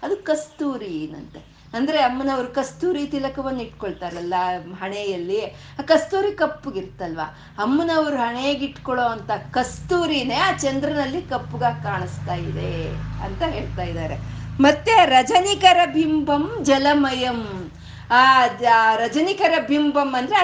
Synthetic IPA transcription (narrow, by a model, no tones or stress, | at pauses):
ɐd̪ukɐst̪uːɾinɐ̰nt̪e | ɐnd̪ɐɾe̞ɐmːɐnɐʋɐɾukɐst̪uːɾit̪ilɐkɐʋɐnːiʈkoɭt̪aːɾɐlːɐɦɐɳejɐlːi | aːkɐst̪uːɾikɐpːuɡiɾt̪ːɐlʋa̰ | ɐmːunɐʋɐɾuɦɐɳejeɡiʈkoɭoːɐnt̪ɐkɐst̪uːɾine̞aːt͡ʃɐnd̪ɾɐnɐlːikɐpːuɡɐkaːɳust̪aːjid̪eɐ̰nt̪ɐɦe̞ːɭt̪aːjid̪aːɾe̞̰mɐt̪ːe̞ɾɐd͡ʒɐnikɐɾɐbʱimbʱɐmd͡ʒɐlɐmɐjɐm | aːɾɐd͡ʒɐnikɐɾɐbʱimbʱɐmːɐnd̪ɐɾe